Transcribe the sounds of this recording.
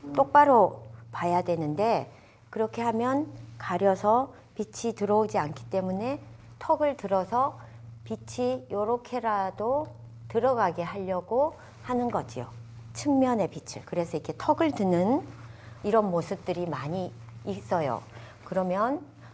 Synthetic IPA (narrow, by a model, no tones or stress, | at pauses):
t͈ok̚p͈aɾopajadwe̞nɯnde̞ | kɯɾʌkʰe̞ɦamjʌnkaɾjʌsʰʌ | pit͡ɕʰitɯɾʌud͡ʑiankʰi̥t͈e̞mune̞ | tʰʌɡɯɭtɯɾʌsʰʌpit͡ɕʰijoɾokʰe̞ɾado | tɯɾʌɡaɡe̞ɦaʎːʌɡo | hanɯnɡʌd͡ʑḭjo̰ | t͡ɕʰɯŋmjʌne̞pit͡ɕʰɯ̰ɭkɯɾe̞sʰʌiɡʰe̞tʰʌɡɯɭtɯnɯn | iɾʌnmosʰɯp̚t͈ɯɾimaɲiː | s͈ʌjo̰ | kɯɾʌmjʌn